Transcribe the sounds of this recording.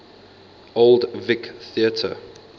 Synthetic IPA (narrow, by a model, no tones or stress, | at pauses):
oldvɪkθiətʰə̰